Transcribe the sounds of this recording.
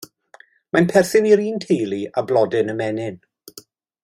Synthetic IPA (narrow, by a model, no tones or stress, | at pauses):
manpʰɛrθɪniɾiːntʰejlˠiablˠɔdɪnəmɛnɪn